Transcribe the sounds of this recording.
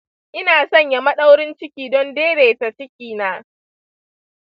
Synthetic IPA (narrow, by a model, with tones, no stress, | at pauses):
ʔɪ˦naː˨sɔ˦˨ɲja˨mɐ˦ɗa˦wɽɪ˦nt͡ʃɪ˦kʲiː˨dɔ˦ndeː˦ɽeː˨ta˨t͡ʃɪ˦kʲiː˨naː˦